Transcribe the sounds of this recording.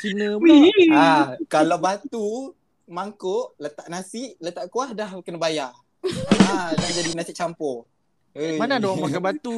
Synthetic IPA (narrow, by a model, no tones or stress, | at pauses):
kinəakalawbat̪u | maŋkoʔlət̪aʔnasɪʔlət̪aʔkuahdahkənabaja | adad͡ʒadinasɪʔ̚t͡ʃampɔ | əmanadowaakabat̪u